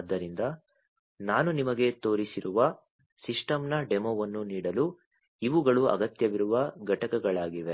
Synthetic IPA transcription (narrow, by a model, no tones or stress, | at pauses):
ɐd̪ːɐɾind̪ɐ | naːnunimɐɡe̞t̪o̞ːɾisiɾuʋɐ | siʂʈɐmnɐɖemoːʋɐnːuniːɽɐlu | iʋuɡɐɭuɐ̰ɡɐt̪jɐʋiɾuʋɐɡɐʈɐkɐɡɐɭaːɡiʋe̞